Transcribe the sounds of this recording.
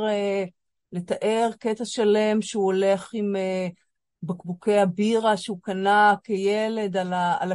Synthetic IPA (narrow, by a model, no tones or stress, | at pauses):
e | le̞t̪aʔe̞ʁket̪aʃale̞mʃeuole̞χime | bakbuke̞abiʁaʃeukanakejele̞dalaa̰la